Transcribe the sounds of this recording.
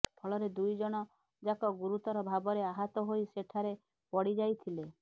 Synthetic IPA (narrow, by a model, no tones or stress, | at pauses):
pʰɔɭɔɾed̪ujd͡ʒɔɽ̃ɔ | d͡ʒakɔɡuɾut̪ɔɾɔbʱabɔɾeaɦɔt̪ɔɦojseʈʰaɾe | pɔɽid͡ʒajt̪ʰile